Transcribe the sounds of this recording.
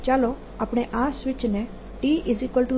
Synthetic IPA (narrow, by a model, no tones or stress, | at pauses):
t͡ʃaːlo | apɽ̃eʔaːsʋɪt͡ʃne | ʈiːʔɪzikəlʈu